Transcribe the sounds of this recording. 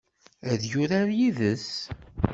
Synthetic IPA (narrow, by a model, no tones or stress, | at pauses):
æðjʊɾaɾjiðəs